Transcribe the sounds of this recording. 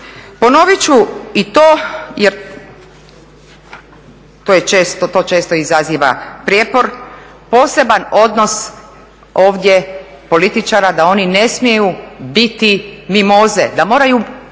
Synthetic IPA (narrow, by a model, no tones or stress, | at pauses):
po̞no̞ʋit͡ɕuit̪oːjeɾ | t̪ojet͡ʃe̞ːst̪ot̪ot͡ʃe̞ːst̪o̞izaziːʋa̰pɾjeːpo̞ɾ | po̞ːse̞bano̞d̪no̞s | o̞ːʋd̪ʲje | po̞lit̪it͡ʃaɾad̪ao̞nine̞smjejubit̪imimoze̞d̪amo̞ːɾaju